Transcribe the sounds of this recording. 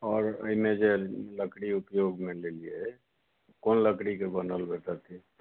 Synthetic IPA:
ɔːɾə̰imed͡ʒeləkɽiupjoɡmelelije | koːnləkɽikebənəlbʱet̪ət̪i

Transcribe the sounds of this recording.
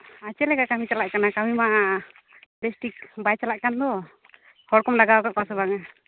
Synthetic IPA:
at͡ʃɛlɛɡakamit͡ʃalaʔkanakamima | bɛsʈik̚bajt͡ʃalaʔkand̪ɔ | hɔɾkɔmlaɡawkaʔkasɔbaŋa

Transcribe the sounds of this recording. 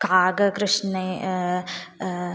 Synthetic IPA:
kaːɡɐkɾɨʂne

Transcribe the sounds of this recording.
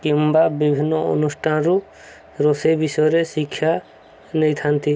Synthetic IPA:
kimbabibʱinːɔo̰nusʈʰanɾu | ɾosebisɔjɾesikʰːja | nejt̪ʰant̪i

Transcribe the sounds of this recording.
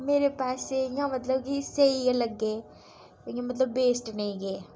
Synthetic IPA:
meːɾepaːseŋɡamɐt̪ləbkisɐiɡalɐɡːe | oŋɡemɐt̪̬ləbːeːsʈnɐiɡe

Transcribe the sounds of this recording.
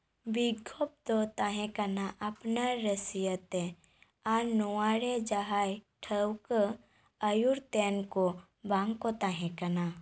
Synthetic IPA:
biɡʱop̚d̪ot̪aɦẽkɐnaʔɐpnaɾəsijət̪e | anuwaːɾed͡ʒaɦajʈʰəwkə | əjuɾt̪eːnko | bãŋkot̪aɦẽkɐna

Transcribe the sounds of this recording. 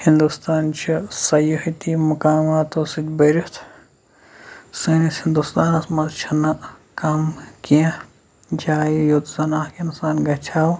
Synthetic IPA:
hind̪ust̪aːnt͡ʃʰisɐjohit̪imukaːmaːt̪osit̪ʲbɐɾut̪ʰ | senishind̪ust̪aːnɐsmɐzt͡ʃʰɐnɐkɐmkiã | d͡ʒaːjijot̪zɐnaːhkinsaːnɡɐt͡ʃʰaːw

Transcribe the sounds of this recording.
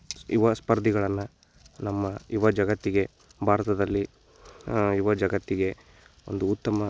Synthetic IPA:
ḭʋɐspɐɾd̪ʱiɡɐɭɐnːɐ | nɐmːɐiʋɐd͡ʒɐɡɐt̪ːiɡe̞ | bʱaːɾɐt̪ɐd̪ɐlːi | iʋɐd͡ʒɐɡɐt̪ːiɡe̞ | o̞̰nd̪uːt̪ːɐmɐ

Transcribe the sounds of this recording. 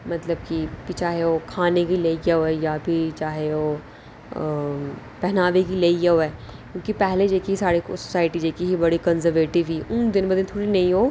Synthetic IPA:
mɐt̪ləb̚kikit͡ʃaːɦeokʰaːnekileːiɡeoɛjabʱit͡ʃaːɦeoː | pɛɦnaːʋekileːiɡeoɛː | kjõːkipɛɦled͡ʒeːkiisaːɾḭsosaːɪʈid͡ʒeːkiɦibɐɽikɐ̃nzəɾʋeːʈɪʋɦiʊnd̪ɪnbəd̪ɪnt̪ʰoːɽinɐɦĩɦoː

